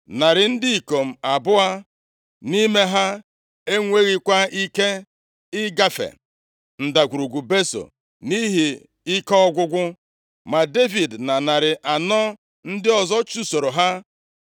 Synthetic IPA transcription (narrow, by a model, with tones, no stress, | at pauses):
na˨ɾɪ˨n̩˦dɪ˦i˨ko˨m̩˨a˨bʊ˦a˦ | ni˦me˦ɦa˦ | e˦ŋʷe˦ɣi˦kʷa˦i˦ke˦ | ɪ˦ɡa˦fḛ˨ | n̩˨da˨ɡʷu˨ɾu˨ɡʷu˨be˦so̰˨ | ni˦ɦi˨ | ɪ˦kɔ˦ɔ˦ɡʷʊ˦ɡʷʊ˦ | ma˨de˦vi˨dna˨na˨ɾɪ˨ʔa˨nɔ˦ | n̩˦dɪ˦ɔ˨zɔ˦t͡ʃu˦so˨ɾo˨ɦa˦